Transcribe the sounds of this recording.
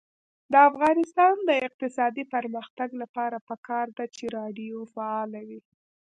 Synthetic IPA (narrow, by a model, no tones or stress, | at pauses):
d̪əafɣɑnɪst̪ɑnd̪əɪq̚t̪ɪsɑd̪ipəɾməxt̪aɡlapɑɾapəkʰɑɾd̪at͡ʃeɾɑɖijofaɑlawi